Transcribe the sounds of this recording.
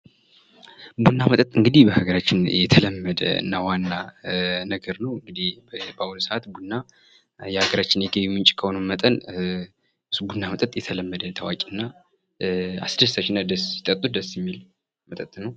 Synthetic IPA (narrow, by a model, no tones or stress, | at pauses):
bunːamət̪ʼət̪ʼɨŋɡɨd̪ihbəhaɡəɾat͡ʃːɪnjɛt̪ʰələmːəd̪ə̰ɨ̰nːawanːanəɡəɾnəwɨŋɡɨd̪ihbbəaulsəʔat̪bunːa | jɛhaɡəɾat͡ʃːɪnjɛɡejumɨnt͡ʃʼkʰəhonəmət̪ʼən | ɨsubunːamət̪ʼət̪ʼjɛt̪ʰələmːəd̪ət̪ʰawa̰kʼiɨnːa | a̰sd̪əst̪at͡ʃːɪnad̪əsjit̪ʼət̪ʼːud̪əsjɛmːil | mət̪ʼət̪ʼnəw